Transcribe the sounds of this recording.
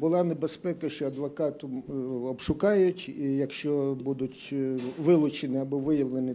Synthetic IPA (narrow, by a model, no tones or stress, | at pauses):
bʊlˠɑnebespɛkɐʃt͡ʃɔɐd̪ʋɔkɑt̪ʊɔbʃʊkɑjʊtʲijɐkʃt͡ʃɔbud̪ʊtʲʋɪlˠʊt͡ʃenɪɐbɔʋɪjɐʋlˠenɪ